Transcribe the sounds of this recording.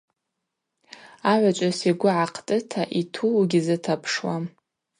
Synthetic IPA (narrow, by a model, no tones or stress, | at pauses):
aʕʷat͡ʃʷʼasiɡʷʊʕaqʰtʼɨtʰaʔitʰuɡʲizɨtʰapʰʂwa